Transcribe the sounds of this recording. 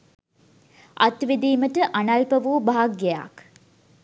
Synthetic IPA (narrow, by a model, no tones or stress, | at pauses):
ʔɐt̪ʋid̪iːməʈəʔanɐlpəʋuːbaɦaɡɡea̰k